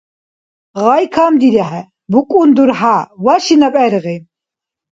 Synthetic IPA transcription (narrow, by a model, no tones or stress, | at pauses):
ʁajkʰamd̪iɾɛɦɛ | bukʼund̪uɾɦawaʃinapʼɛɾɣim